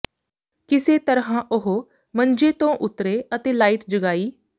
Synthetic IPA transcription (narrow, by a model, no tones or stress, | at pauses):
kɪseːt̪əɾɦãːʔʊɦo | mənd͡ʒeːt̪õːʔʊt̪ɾeːət̪eːlaːiːʈd͡ʒəɡaːiː